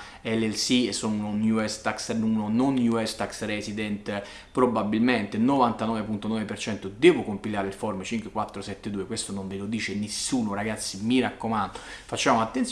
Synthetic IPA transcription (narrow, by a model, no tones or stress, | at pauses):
ɛlːɛlsiesːonunonjuɛst̪aksnunononjuɛst̪aksrɛsid̪ɛnt̪ | pɾobabːilment̪enovant̪anɔːvepunt̪onɔːvepert͡ʃɛnt̪od̪ɛːvokompilaːɾeilfɔrmət͡ʃiŋkwekwat̪ːɾosɛt̪ːed̪uːekwest̪onoɱvelod̪iːt͡ʃenesːuːnoɾaɡat̪sːimiɾakːomand̪ofat͡ʃːaːmoat̪ːent̪s